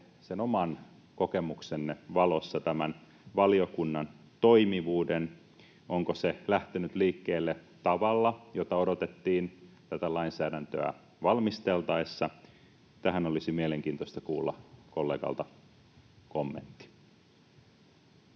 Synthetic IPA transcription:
senomɑn | ko̞kemuksenːeʋɑlosːɑt̪æmæn | ʋɑliokunːɑn | t̪o̞imiʋuːden | ʔoŋkoselæht̪enyt̪liːkːeːlːe | t̪ɑʋɑlːɑjot̪ɑodot̪et̪ːiːnt̪æt̪ælɑinsæːdænt̪øæ̰ | ʋɑlmist̪elt̪ɑesːɑ | t̪æɦænolisimieleŋk̟iːnt̪oist̪ɑkuːlːɑ̰kolːeːɡ̥ɑ̰lt̪ɑ | komːḛnt̪ːi̥

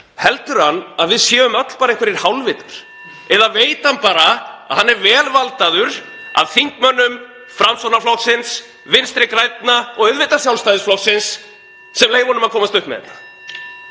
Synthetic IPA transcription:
hɛlt̪ʏɾ̥hanːaðvɪðsjɛːvʏmœt̪l̥paːɾaehkvɛɾiɾ̥hawlvɪt̪aɾ̥ | ɛðaveːjt̪hanpaːɾaa̰ðhanːɛɾvɛːlvalt̪aðʏɾ | a̰ðθiŋkmœnːʏm | fɾamsɔnaflɔksɪns | vɪnst̪ɾɪkɾajt̪naɔɣʏðvɪt̪ḁsjawlst̪ajðɪsflɔksɪnsː | ɛmleːjvɔːnʏmaðkʰɔːmast̪ʏhpmɛ̰ðɛ̰nːa

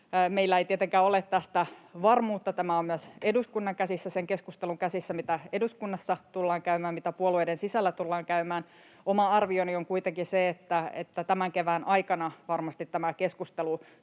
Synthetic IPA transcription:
meilːæeit̪iet̪eŋkæːolet̪tæst̪æʋɑrmuːt̪ːɑt̪æmæommyæseduskunːɑŋkæsisːæseŋkeskust̪eluŋkæsisːæmit̪æeduskunːɑsːɑt̪ulːɑːŋkæymæːmmit̪æpuolueidensisælːæt̪ulːɑːŋkæymæːn | omɑɑrʋionioŋkuit̪eŋkiseet̪ːæḛt̪ːæt̪æmæŋkeʋæːnʔɑikɑnɑʋɑrmɑst̪it̪t̪ːæmækeskust̪elu

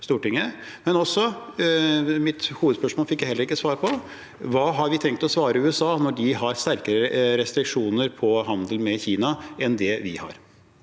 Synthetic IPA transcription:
st̪uːʈɪŋːəmɛnɔsːɔ | mɪt̪huːʋd̪spœʂmɔːlfɪkjæhɛləɾɪkːəsʋɑːɾpʰɔ | ʋɑːɦɑɾʋɪt̪ʰɛŋkt̪ɔsʋɑːɾəʉːɛsɑːnɔɖɪɦɑɾst̪æɾkəɾəɾɛst̪ɾɪkʂuːnəɾpʰɔɦɑnd̪əlmɛçiːnɑɛnd̪ɛʋɪ̰hɑ̰ɾ

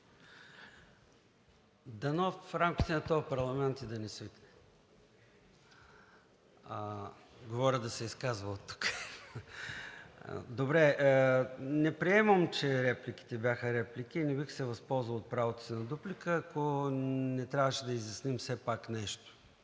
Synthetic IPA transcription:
d̪ɐnofɾamk̟i̥t̪ɛnɐt̪ɔvɐpɐɾlˠɐmɛnt̪id̪ɐnɛsiit̪nɛ | ɡovɔɾʲəd̪ɐsɛiskazvɐlˠt̪ːu̥k | d̪obɾɛ | nɛpɾiɛməmt͡ʃɛɾɛplik̟i̥t̪ɛbʲjaxəɾɛplik̟iːnɛbixsɛvɐspɔlˠzvəlˠot̪̚pɾavot̪o̥sinɐd̪uplikəːkonɛt̪ɾʲavəʃɛd̪ɐizjɐsnimfsɛpaknɛʃt̪o̥

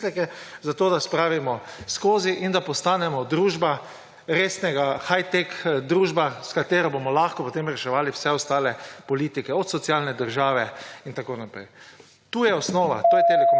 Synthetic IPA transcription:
lɛkɛzat̪oːd̪aspɾaːʋimɔskoːziʔind̪apɔst̪aːnɛmɔd̪ɾuːʒba | ɾeːsnɛɡaxajt̪ɛkd̪ɾuːʒbaskat̪eːɾɔbomɔlaːxkɔpɔt̪emɾɛʃɛʋaːliwsɛɔst̪aːlɛpɔliːt̪ikɛɔt̪sɔt̪sialnɛd̪əɾʒaːʋɛint̪akoːnapɾɛ̰j | t̪uːjɛɔsnoːʋa̰t̪oːjɛt̪ɛlɛk

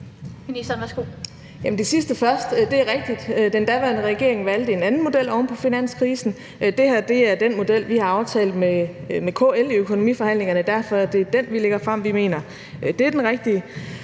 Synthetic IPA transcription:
inisɐnʋæɐsɡ̥o̝̰ | jæmn̩d̥e̝sisd̥əfɶɐsd̥d̥e̝æɐʁeɡ̥̚d̥id̥ød̥end̥æʋæɐnəʁɛɡ̥e̝ɐe̝ŋ̩ʋæld̥əe̝nænn̩mo̝d̥el̰ɒʊnpʰɒ̽finæn̰skʰʁiːsn̩ | d̥e̝hæɐd̥e̝æɐd̥enmo̝d̥el̰ʋihɑ̈ɑ̈ʊt͡sʰɛ̰ːld̥memekʰo̰ːeliøkʰo̝no̝mḭfɒ̽hæn̰le̝ŋɐnəd̥æɐ̰fɒ̽æd̥e̝d̥enʋileɡ̥ɐfʁɑ̈m̰ʋime̝̰ːnɐ | d̥e̝æɐd̥enʁeɡ̥̚d̥iə

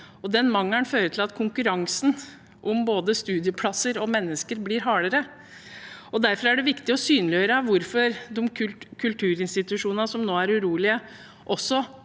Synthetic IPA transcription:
ɔd̪ɛnmɑŋːəɳføːɾət̪ʰɪlɑt̪kʰʊŋkʉɾɑŋsn̩ | ʔɔmboːd̪əst̪ʉːd̪ɪəpʰlɑsəɾɔmɛnːəskəɾbliːɾɦɑːɽəɾə | ɔd̪æɾfɔɾæɖɛʋɪkt̪ɪɔsyːnəlɪøːɾəʋʊɾfɔɾd̪ɔmkʰʉlt̪ʰʉːɾɪnst̪ɪt̪ʉʂuːnnɑsɔmnoːæɾʉɾuːlɪə | ʔɔsːɔ

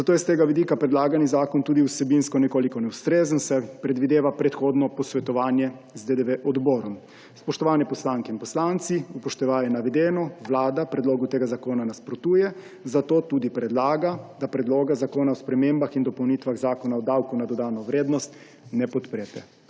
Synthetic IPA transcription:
zat̪oːjɛst̪eːɡaʋid̪iːkapɾɛd̪laːɡanizaːkɔnt̪uːd̪iusɛbinskɔnɛkoːlikɔnɛwst̪ɾeːzənsɛpɾɛd̪ʋid̪eːʋapɾɛt̪xoːd̪nɔpɔsʋɛt̪ɔʋaːnjɛ | zd̪ed̪ɛʋeʔɔd̪bɔːɾɔm | spɔʃt̪ɔʋaːnjɛpɔslaːŋkɛinpɔslaːnt̪siupɔʃt̪ɛʋaːjɛnaʋɛd̪eːnɔʋlaːd̪apɾɛd̪loːɡut̪eːɡazakoːnanaspɾɔt̪uːjɛ | zat̪oːt̪uːd̪ipɾɛd̪laːɡad̪apɾɛd̪loːɡazakoːnaɔspɾɛmeːmbaxind̪ɔpownit̪ʋaɣzaːkɔnaɔd̪awkunad̪ɔd̪aːnɔʋɾeːd̪nɔst̪ | nɛpɔt̪pɾeːt̪ɛ

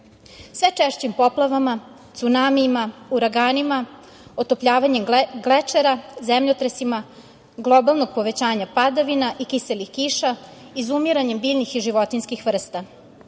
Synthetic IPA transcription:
sʋet͡ʂeʃt͡ɕimpo̞plaʋama | t̪sunamiːmauɾaɡaːnima | ot̪opʎaːʋaɲe̞mɡlet͡ʂeɾazemʎot̪ɾesima | ɡlˠobalˠno̞ɡ̚po̞ʋe̞t͡ɕaːɲapad̪aʋinaʔikiselixkiːʃa | izumiɾaɲe̞mbiːʎnixiʒiʋo̞t̪inskixʋr̩st̪a

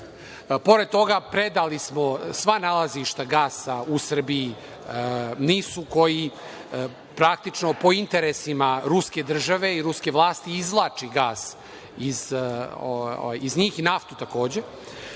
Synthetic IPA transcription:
po̞ɾed̪̚t̪o̞ɡapɾed̪alismo̞sʋanalaziʃt̪aɡaːsausr̩bii | niːsuko̞ji | pɾak̚t̪it͡ʂno̞po̞int̪eɾesimaɾuske̞d̪r̩ʒaʋe̞iɾuske̞ʋlˠaːst̪iizlˠat͡ʂiɡaːs | izo̰a̰jizɲiːxinaft̪ut̪ako̞ːd͡ʑe̞

